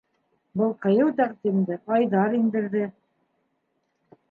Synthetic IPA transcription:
bɤlˠqɤ̆jɤwt̪æqt̪imd̪ɘʔɑjðɑɾind̪ɘ̆ɾðɘ

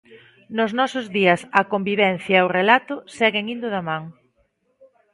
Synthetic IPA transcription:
nʊznɔsʊzðiɐsɐkombiβɛn̟θjɐwrelat̪ʊsɛɣeŋind̪ʊðamãŋ

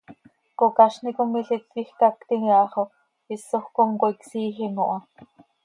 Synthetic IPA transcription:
kokɑʃnikomiɬit̪kixkɑkt̪iŋɑχo | isːoxkoŋkoiksiːxiŋoʔɑ

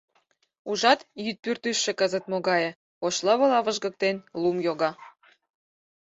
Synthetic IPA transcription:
uʒɑt̪jyt̪̚pyrt̪yʃːĕkɤzə̆t̪moɣɑjĕ | oʃlɑβɤ̆lɑβəʒɣɤ̆k̚t̪enlumjoɣɑ

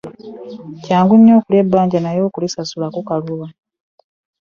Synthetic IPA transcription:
caːŋɡuɲːo̞ːkulebːaːɲɟanajo̞ːkulisasulakukaluβa

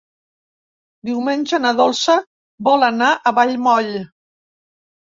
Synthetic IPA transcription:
d̪iwmenʲʒənəðolˠsə | bɔlənaʔəβaʎmɔʎ

